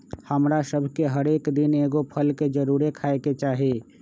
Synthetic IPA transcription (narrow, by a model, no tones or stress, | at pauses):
həmɾasəbʱkeɦəɾeːkd̪ɪneːɡopʰəlked͡ʒəɾuːɾekʰaːeket͡ʃaːɦe